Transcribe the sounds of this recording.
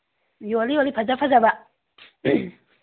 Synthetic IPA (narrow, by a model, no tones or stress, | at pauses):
jɔliɔlipʰazafazaba